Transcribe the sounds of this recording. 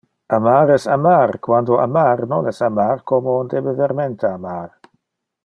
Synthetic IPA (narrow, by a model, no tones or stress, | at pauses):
amaːɾɛsamarkwandoa̰maːɾnonɛsamaːɾkomond̪ebeveɾmɛnt̪aamaːɾ